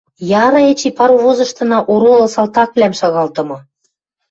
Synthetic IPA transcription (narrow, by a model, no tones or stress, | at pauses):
jɑɾɤet͡ɕipɑɾuβozɤ̆ʃt̪ɤ̆nɑʔoɾolɤ̆sɑlt̪ɑk̚βlæmʃɑɣɑlt̪ɤ̆mɤ̆